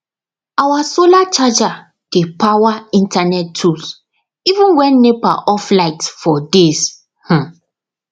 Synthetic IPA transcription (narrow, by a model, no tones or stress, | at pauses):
awasolat͡ʃad͡ʒa | d̥epawaĩntʰanɛtːʰus | ivũnwɛ̃nːepa̰ʔɔflaɪtfɔdes | hã